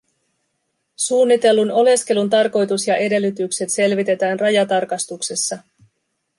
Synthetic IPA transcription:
suːnːit̪e̞lːuno̞le̞ske̞lunt̪ɑrko̞jt̪usjɑʔe̞de̞lːyt̪ykse̞t̪se̞lʋit̪e̞t̪æːnrɑjɑt̪ɑrkɑst̪ukse̞sːɑ

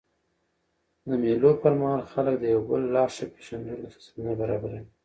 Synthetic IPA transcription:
d̪əmelopəɾmahɑlxalək̚d̪əjawbəlːɑʃape̥ʃanɾulafḁsad̪unabaɾɑbaɾai

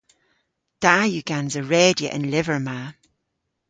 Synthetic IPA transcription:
d̥ajʉɡ̥anzəɹɛːdiə̰ʔɪ̰̃nlɪvə˞ma

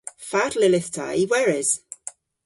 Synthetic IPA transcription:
fatlɪlɪθtʰa̰iwɛɹɪz̥

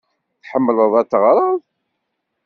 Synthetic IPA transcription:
θħəmːləðˤæt̪ːəʁɾˤəðˤ

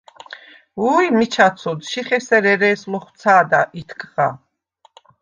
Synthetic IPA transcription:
uimit͡ʃʰat̪sʰɔd̪ʃiχɛsɛɾɛɾɛːsmɔχwt̪sʰaːd̪aʔit̪ʰkʰʼʁa

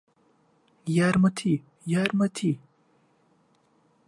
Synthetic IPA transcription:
jaːɾmɐt̪ʰi | jaːɾmɐt̪ʰi

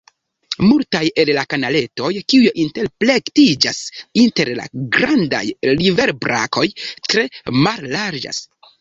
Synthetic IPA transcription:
multaje̞llakanale̞to̞jkiujeʔinte̞ɾple̞ktid͡ʒasinte̞ɾla̰ɡɾanda̰jlive̞ɾbɾa̰kʰo̞jtɾe̞malːaɾd͡ʒa̰s

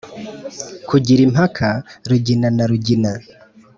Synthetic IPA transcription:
kuɟiɾim̥akʰaɾuɟinanaɾuɟina

